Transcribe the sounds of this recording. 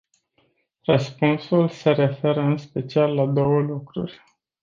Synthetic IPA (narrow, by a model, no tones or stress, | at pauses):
rəspunsulse̞ɾe̞fe̞ɾəɨnspe̞t͡ʃialːad̪o̞wəlukɾṵrʲ